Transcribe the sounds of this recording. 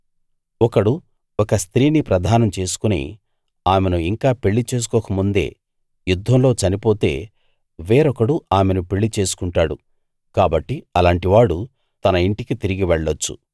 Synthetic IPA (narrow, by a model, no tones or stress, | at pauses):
ɔkɐɽu | ɔkɐst̪ɾiːnipɾɐd̪ʱaːnɐmt͡ʃe̞ːsu̥kunḭ | aːmenuiŋkaːpe̞ɭːit͡ʃe̞ːs̬u̥kɔːkɐmund̪e̞̰ː | jud̪ʱːɐmlo̞ːt͡ʃɐnipo̞ːt̪e̞ː | ʋeːɾɔkɐɽuaːme̞nupeɭːit͡ʃe̞ːsu̥kuɳʈaːɽṵ | kaːbɐʈːiɐlaːɳʈiʋaːɽu | t̪ɐnɐiɳʈikit̪iɾiɡiʋɛɭːɐt͡ʃːṵ